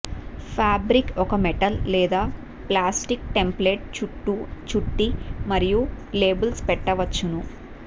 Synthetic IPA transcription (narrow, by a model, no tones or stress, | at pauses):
pʰaːbɾikɔkɐmɛʈɐlːɛːd̪aː | plaːsʈik̚ʈe̞mpleːʈ̚t͡ʃuʈːut͡ʃuʈːimɐɾijule̞ːbulspɛʈːɐʋɐt͡ʃːunu